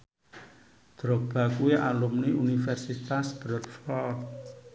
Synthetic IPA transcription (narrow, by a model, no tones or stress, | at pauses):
d̪̥ɾɔk̚b̥a̤kuiʔalumniunifɛrsit̪asb̥ɾət̪fɔ